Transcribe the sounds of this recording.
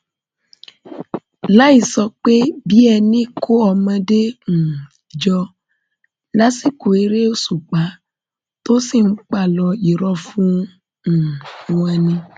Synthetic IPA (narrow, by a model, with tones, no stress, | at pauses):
la˦i˦˨sɔ˧k͡pe˦bi˦ɛ˧nĩ˦kʰo˦ɔ˧mã˧de˦ŋ̩̃˨ | d͡ʒɔ˧ | la˦si˦ku˨e˨˧ɾe˦o˦su˨k͡pa˨˦ | to˦si˦˨n̩˦k͡pa˦˨lɔ˧i˨ɾɔ˧fũ˦˨ | w̃ã˧nĩ˧